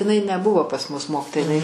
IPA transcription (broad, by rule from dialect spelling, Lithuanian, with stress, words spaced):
ɪˈnɐɪ nʲɛˈbʊʋoː pɐs mʊs ˈmoːkʲɪtoːjɛ ɪˈnɐɪ